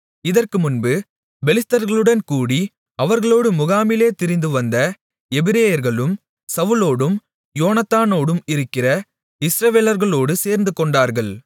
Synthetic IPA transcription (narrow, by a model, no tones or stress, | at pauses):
ɪðɐrkɯmʊnbɯ | bɛlɪst̪ɐɾɣɐɭɯɽɐnkuːɽi | ɐʋɐɾɣɐɭoːɽɯmʊɣaːmɪleːt̪ɪɾɪnd̪ɯʋɐnd̪ɐ | ɛbɪɾeːjɐɾɣɐɭɯm | sɐʋɯloːɽɯm | joːnɐt̪ːaːnoːɽɯmɪɾɯkːɪrɐ | ɪsɾɐʋeːlɐɾɣɐɭoːɽɯseːɾnd̪ɯkɔɳɖaːɾɣɐɭ